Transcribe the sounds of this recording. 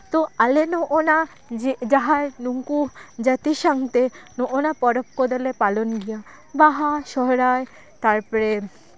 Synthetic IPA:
t̪oalenoʔona | d͡ʑed͡ʑaɦaɾnuŋkud͡ʑat̪iʃaŋt̪enoʔonapɔɾop̚kod̪alepalonɡija | baɦaʃɔɦɾae | t̪aɾpɔɾe

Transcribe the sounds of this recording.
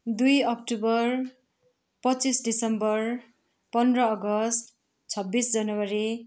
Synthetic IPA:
d̪ujʌk̚ʈubʌr | pʌt͡sisɖisʌmbʌr | pʌnd̪rʌːɡʌst | t͡sʰʌbːisd͡zʌnʌwaɾi

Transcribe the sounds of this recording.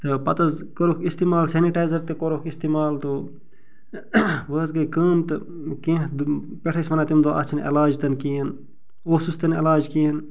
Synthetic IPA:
t̪ɨpɐt̪ɐzkɐɾokʰist̪iːmaːlseniʈaːjzɐɾt̪ekoɾokʰist̪iːmaːlt̪u | ʋəːsɡɐjkəːmt̪ɨ | kẽːd̪ | peʈʰɐsmɐnaːt̪imd̪oʔɐ̰t͡ʃʰnɐ̰laːd͡ʒt̪ɐnkiːn | oːsust̪ɐnɐlaːd͡ʒkiːn

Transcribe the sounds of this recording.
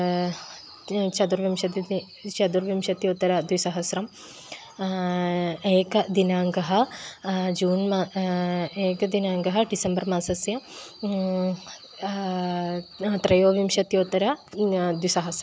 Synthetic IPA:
t͡ʃɐd̪uɾʋimʃɐt̪i | t͡ʃɐd̪uɾʋimʃɐt̪joːt̪ɐɾɐd̪ʋisɐɦɐsɾɐm | eːkɐd̪inaːŋɡɐɦɐ | d͡ʒuːnma | eːkɐd̪inaːŋɡɐɦɐɖisɐmbɐɾmaːsɐsjɐ | t̪ɾɐjoːʋimʃɐt̪joːt̪ɐɾɐd̪wisɐɦɐsɾɐm

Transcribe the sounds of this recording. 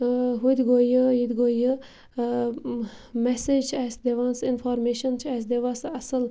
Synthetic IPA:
ɦud̪ʲɡoːjɨjid̪ɡoːjə | mɛsed͡ʒɛsd̪eʋansɪnfɔːɾmeːʃənt͡ʃʰɛsd̪eʋasɐsəl

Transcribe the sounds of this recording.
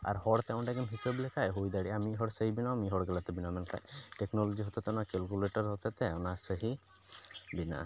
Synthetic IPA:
a̰ɾhɔɽt̪ɛw̃ɖaɡimɦisəblɛkʰajɦojd̪aɽiamiɦɔɽsəɦibinamiɦɔɽɡɛlat̪ɛbinamɛnkʰa̰jʈeknɔlɔd͡ʒiɦɔt̪ɛt̪ɛɔnakɛlkuleʈɔɾɦɔt̪ɛt̪ɛɔnasəɦi | bina̰ʔ

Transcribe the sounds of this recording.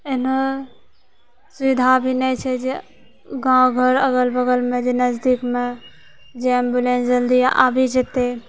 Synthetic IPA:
eno | suʋid̪ʱabʱinɛt͡ʃʰɛd͡ʒe | ɡãɡʱəɾəɡəlbəɡəlmẽd͡ʒenəzd̪ikmẽ | d͡ʒembjulẽnsd͡ʒəld̪ia̰ʔabʱid͡ʒet̪e

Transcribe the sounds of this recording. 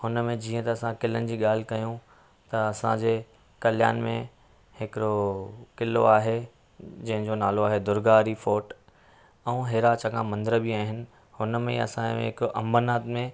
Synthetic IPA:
hʊnəmẽd͡ʑiːə̃t̪ɐɐsãkɪlənɪ̆d͡ʑiːɠaːl̤ɪkɐjũ | t̪ɐɐsãd͡ʑeː | kɐlja̰ːnmḛ̃ | hɪkɪɾokɪlo̰aːɦe | d͡ʑɐ̃ɦɪ̃ɲd͡ʑonaːloaːɦed̪ʊɾɡaːɾifoːʈ | ɛ̃ũːɦeːɾat͡ɕɐkʰãːmɐ̃nd̪ɪɾəbɪaːɦɪnɪ̆ | hʊnəmḛ̃ɐ̰sã̰ɦɪkʔɐ̰̃mbnaːt̪mẽ

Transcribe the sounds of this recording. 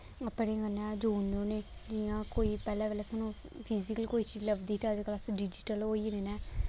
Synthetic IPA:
əpɽẽːɡənːɛ̃ːd͡ʒuːnoːneːd͡ʒɪãːkoːiːpɛːlɛːʋeːlɛːsaːnũː | pʰiːzɪkəlkoːiːt͡ʃiːd͡ʒləbd̪iːt̪ad͡ʒklasɖid͡ʒɪʈəloːiːd̪eːnɛː

